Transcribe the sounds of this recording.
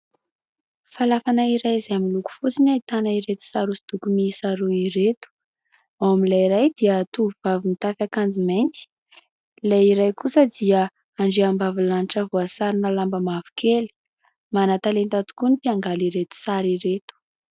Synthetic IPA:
falafanaiɾajzaamiluku̥fut͡sinait̪anaiɾet̪u̥saɾusi̥t̪ukumisaɾuiɾet̪u̥ | awamilaɾajd̪iət̪uvuvavinit̪afʲakand͡ziment̪i̥ | lajiɾajkusəd̪iə | aɳɖ͡ʐeambavilanʈ͡ʂəvuasaɾinalambəmavu̥kʰeli̥ | manat̪alent̪at̪u̥kunipiaŋɡaliɾet̪u̥saɾiɾet̪u̥

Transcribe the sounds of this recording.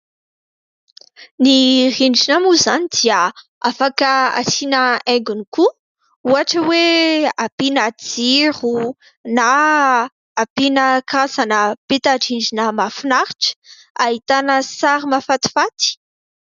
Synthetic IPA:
niriɳɖ͡ʐinamuzanid̪iə | afakəa̰sinəɛ̃ŋɡuniku | uaʈ͡ʂəweapinad͡ziɾu | naː | pinəkazanəpet̪aʈ͡ʂiɳɖ͡ʐinəmafinaɾiʈ͡ʂə̥ | aɦit̪anəsaɾimafat̪i̥fat̪i̥

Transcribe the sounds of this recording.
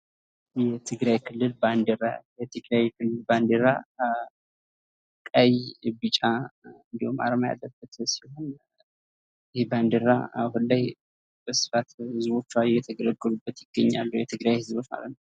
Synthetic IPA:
jɛt̪ʰɨɡɾajkʰɨlːɨlband̪əɾajɛt̪ʰɨɡɾajkʰɨlːɨlband̪əɾa | kʼəjbɨt͡ʃʼaɨnd̪ihoma̰ɾəmaja̰lːəbːət̪sihon | ɪheband̪əɾaahunlaj | bəsɨ̥fat̪hɨzbo̞t͡ʃːuajɛt̪ʰəɡələɡːəlubːət̪jɪɡ̥ːəɲːa̰lːuwjɛt̪ʰɨɡɾajhɨzbot͡ʃma̰lət̪nəw

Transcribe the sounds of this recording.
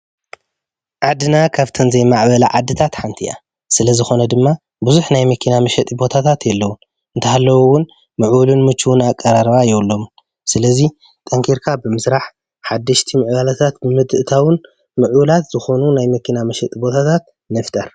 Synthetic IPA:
ʕad̪ɨnakʰaβt̪ʰɐnzɐjmaʕbɐlɐʕad̪ːɨt̪ʰat̪ħant̪ʰiʔa̰ | sɨlɐzɨxo̞nɐd̪ɨmːa | buzuħnajmɐkʰinamɐʃɛt̪ʼibo̞t̪ʰat̪ʰat̪jɛlːɐwun | ʔɨnt̪ʰɐhalːɐwowʊn | mɨʕwulunmɨt͡ʃʼːuwʊnakʼːɐɾaɾβajɛwlːo̞m | sɨlɐzi | t̪ʼɐŋkʰiɾkʰabɨmɨsɾaħ | ħad̪ːɐʃt̪ʰimɨʕβalɐt̪ʰat̪bɨmɨd̪ɨʔɨt̪ʰawɨn | mɨʕwlat̪z̥ɨxo̞nunajmɐkʰinamɐʃɛt̪ʼibo̞t̪ʰat̪ʰat̪̚ | nɐft̪ʰɐɾ

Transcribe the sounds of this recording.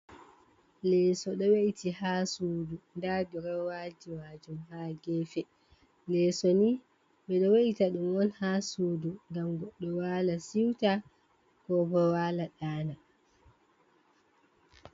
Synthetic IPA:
lɛsɔɗɔweʔitihasuːdundadɔɾɔwad͡ʒiwad͡ʒumhaːɡɛːfɛ | lɛsɔni | ɓɛɗɔwaʔitaɗumwɔnhasuːduŋɡamɡɔɗːɔwaːlasiwta | kɔbɔwaːlaɗaːna

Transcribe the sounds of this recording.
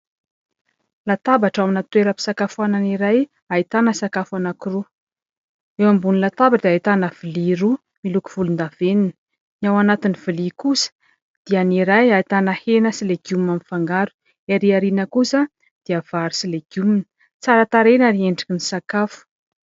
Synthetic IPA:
lat̪abaʈ͡ʂaminat̪weɾəpi̥sakafuananiɾaj | ait̪anəsakafanakiru | ewambunilat̪abaʈ͡ʂd̪eait̪anəv̥iliɾu | miluku̥v̥ulund̪avenin | niawanat̪iniv̥ilikusə̥ | d̪̥ianiɾajait̪anahenəsileɡjuminamifaŋɡaɾu̥ | eɾiaɾinəkusə | d̪̥iav̥aɾisileɡ̥juminə̥ | t͡saɾət̪aɾenəɾieɳɖ͡ʐakinisakafu̥

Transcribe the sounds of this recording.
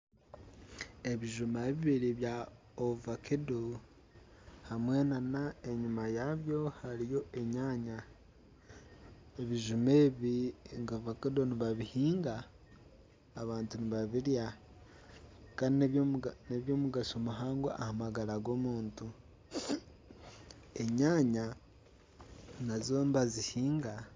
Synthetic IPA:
e̞βiʒumaβiβiɾiβja | ovakʰedo | hamwe̞ːnanae̞ɲumajaβjo̞haɾijo̞e̞ɲaːɲa | eβiʒume̞ːβiŋɡavakedoniβaβihiːŋɡa | βaːntuniβaβiɾja | kaːndineβoneβjo̞ːmuɡasomuɦaːŋɡoʔahamaɡalaɡo̞ːmuːntu | e̞ɲaːɲa | nazoːmbazihiːŋɡa

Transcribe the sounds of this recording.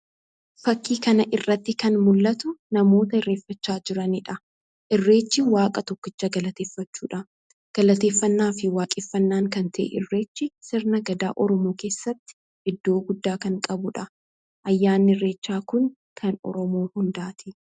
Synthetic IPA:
fɐkːiːkɐnɐʔɪrːɐt̪ːɪkɐnmʊlːɐt̪ʊnɐmoːt̪ɐɪrːe̞ːfːɐt͡ʃːaːd͡ʒɪɾɐnɪᶑɐ | ʔɪrːe̞ːt͡ʃːɪwaːkʼɐt̪ɔkːɪt͡ʃːɐɡɐlɐt̪eːfːɐt͡ʃːuːᶑɐ | ɡ̥ɐlɐt̪e̞ːfːɐnːaːfɪwaːkʼeːfːɐnːaːŋkɐnt̪ʰɐʔḛʔɪrːe̞ːt͡ʃːɪsɪɾnɐɡɐd̪a̰ːʔɔɾɔmoːke̞ːsːɐt̪ːɪ̥ | ɪd̪ːo̞ːɡʊd̪ːaːkɐŋkʼɐbʊᶑɐ | ʔɐjːaːnːɪrːe̞ːt͡ʃːaːkʊŋ | kʰɐnɔ̰ɾɔmoːhʊnd̪aːt̪ʰɪ

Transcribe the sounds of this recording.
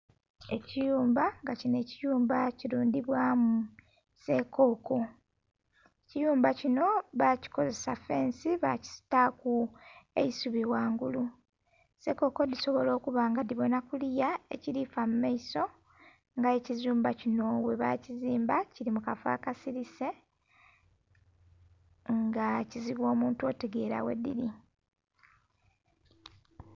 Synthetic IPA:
e̞cijuːmbaŋɡacine̞ːcijuːmbaciɾuːndiβwamu | se̞ko̞ko̞ | ecijuːmbacino̞βaci̥ko̞ze̞safe̞ːnsiβa̰ci̥si̥takue̞̰isuβiwaːŋɡulu | se̞ko̞ko̞diso̞βo̞lo̞ːkuβaːŋɡadiβo̞nakulijae̞ciɾifamumaiso̞ | ŋɡaecizuːmbacino̞we̞βa̰ciziːmbaciɾimukafa̰ːkasiɾise̞ | ŋɡaciziβwo̞ːmuːntuo̞te̞ɡe̞ːɾa̰we̞̰dːḭɾi

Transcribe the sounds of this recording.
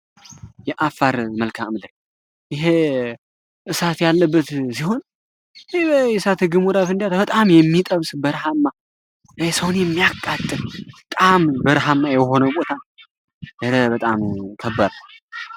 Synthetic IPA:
jɛʔafːaɾməlkʰamlə | jɪɦe | ʔɨsat̪jalːəbːət̪siho̞n | jɛsat̪ɨɡɨmuɾafɨnd̪jat̪bət̪ʼamjɛmːit̪ʼəβsbəɾɦamːa | hesəwonjɛmːijakʼːat̪ʼːɨmbət̪ʼambəɾɦamːajɛho̞nəbot̪ʰa | bəɾəbət̪ʼamk̪ʰəbːaɾ

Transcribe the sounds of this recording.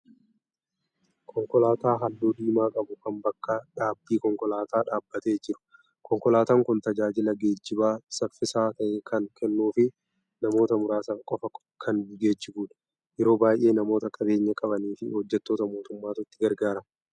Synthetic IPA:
kʰɔŋkɔlaːt̪aːɦɐlːuːd̪iːmaːkʼɐbʊkɐmbɐkːɐᶑaːbiːkɔŋkɔlaːt̪aːᶑaːbːɐt̪e̞ːd͡ʒɪɾʊ̥ | kʰɔŋkɔlaːt̪aːŋkʊnt̪ɐd͡ʒaːd͡ʒɪlɐɡe̞ːd͡ʒːɪbaːsɐfɪsaːt̪ɐʔeːkʰɐŋkʰɛnːuːfɪ | nɐmo̞ːt̪ɐmʊɾaːsɐkʼɔfɐk | kʰɐnbɪɡe̞ːd͡ʒːɪbuːᶑɐ̥ | jɛɾo̞ːbaːjʔe̞ːnɐmo̞ːt̪ɐkʼɐbe̞ːɲːɐkʼɐbɐniːfɪhɔd͡ʒːɛt̪ːo̞ːt̪ɐmo̞ːt̪ʊmːaːt̪ʊt̪ːɪɡɐɾɡaːɾɐ

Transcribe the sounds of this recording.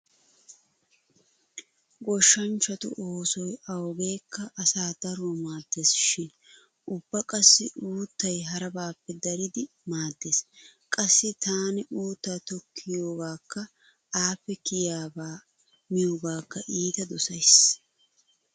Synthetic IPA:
ɡɔʃːɐnt͡ʃːɐt̪ʊ̰ʔoːsɔjɐwɡe̞ːkːɐʔːsaːd̪̥ɐɾoːmaːd̪ːe̞ːsʃɪn | ʊbːɐkʼɐsːɪʔuːt̪ːɐjɦɐɾɐbaːpːɛd̪ɐɾɪd̪ɪ | maːd̪ːe̞ːskʼɐsːɪt̪aːnɪʔuːt̪ːaːt̪ɔkʰːɪjoːɡaːkːɐ | aːpːɛkɪjaːbaː | mɪjoːɡaːkːɐʔiːt̪ɐd̪ɔsɐjs

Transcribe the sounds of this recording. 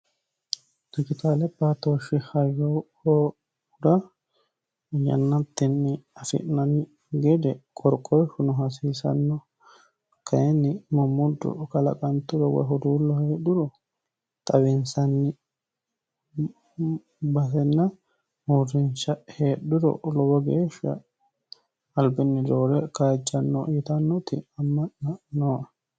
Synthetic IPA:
d̪̥ɪd͡ʒɪt̪aːlɛpːat̪oːʃɪhɐjohɔ | d̪ɐ | jɐ̰nːɐt̪ːɪnːɪɐfɪ̰ʔnɐnɪ | ɡɛd̪ɛkʼɔɾkʼɔʃʊnɔɦɐs̬iːsɐ̰nːɔ | kʰɐjɛnːɪmɔmːʊd̪ːʊ̰kɐlɐ̰kʼɐnt̪ːʊd̪ɔwɐ̰ɦɔd̪uːlːɔheːɗʊɾɔ | t̪ʼɐwɪnsɐnːɪ | bɐs̬ɛnːɐ | muɾɪnt͡ʃɐheːɗʊɾɔ̰lɔbɐɡeːʃɐ̰ | ɐlbɪnːɪd̪oːɾɛkaːd͡ʒːɐnːɔt̪ɐnːɔt̪ɪ̰ɐmːɐʔːɐnoːɐ

